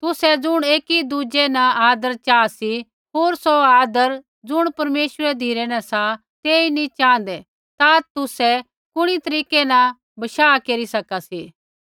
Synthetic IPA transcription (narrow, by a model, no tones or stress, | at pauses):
t̪ʊsɛd͡zʊɽ̃eːkid̪ud͡ʒenɐaːd̪əɾt͡ʃaːsi | ɦoːɾsoaːd̪əɾ | d͡zʊɽ̃pɐɾmeːʃəɾɛd̪ʱiːɾɛnɐ̃sa | t̪eːinĩt͡ʃãːn̆d̪ɛ | t̪at̪ʊsɛ | kʊɽ̃it̪ɐɾiːkɛnɐ | bɐʃaːkeːɾisɐkasiː